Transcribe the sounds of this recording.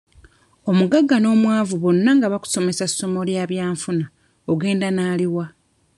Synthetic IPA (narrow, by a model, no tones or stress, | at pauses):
o̞muɡaɡːano̞ːmwaːvuβo̞nːaŋɡaβaku̥so̞mesasːo̞mo̞ljaːβjaːɱfuna | oɡe̞ːndanaːliwa